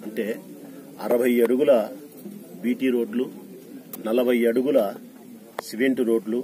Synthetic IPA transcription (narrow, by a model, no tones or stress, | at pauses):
ɐɳʈe̞ː | ɐ̰ɾɐbʱɐjeɽuɡulɐ | biːʈiːɾo̞ːɖlu | nɐlɐbʱɐjɐɽuɡulɐ | seʋeɳʈiɾo̞ːɖlu